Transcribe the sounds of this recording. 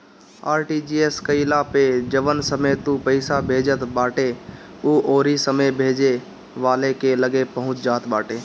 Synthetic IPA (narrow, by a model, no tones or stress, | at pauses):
aːɾʈid͡ʒiːeskəɪlaped͡ʒəʋənsəmət̪upəɪsabʱeːd͡ʒət̪baːʈe | uʔoːɾisəməjbʱeːd͡ʒe | ʋaːlekeləɡepəɦʊ̃t͡ʃd͡ʒaːt̪baːʈeː